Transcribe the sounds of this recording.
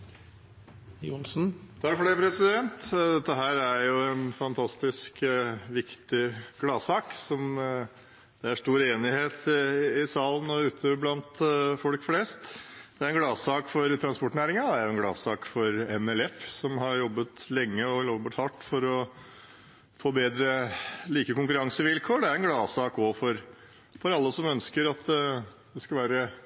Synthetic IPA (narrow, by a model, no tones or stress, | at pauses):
jʊnsn̩t̪ʰɑkfɔɖɛɪpʰɾɛsɪd̪ɛnt̪d̪ɛt̪ːəɦæːɾæɾjʊɛnfɑnt̪ʰɑst̪ɪskʋɪkt̪ɪɡ̥lɑːsɑːksɔm | d̪̥ɛæʂt̪uːɾeːnɪheːt̪ɪsɑːlənɔʉːt̪ʰəblɑnt̪fɔlkfleːst̪d̪ɛæɾɛnɡlɑːsɑːkfɔɾt̪ʰɾɑnspɔʈnæːɾɪŋɑæɾjʊɛnɡlɑ̰ːsɑːkfɔɾɛnɛlɛfsɔmhɑɾjɔbːət̪lɛŋːəɔlobəʈ̪hɑʈːfɔɾɔ | fɔbeːd̪ɾəliːkəkʊŋk̬ʉɾɑŋsəʋɪlkʰoːɖɛæɾɛnɡlɑːsɑːkɔfɔɾ | fɔɾɑlːəsɔmœnskəɾɑt̪ʰ | d̪ɛskɑlʋæːɾə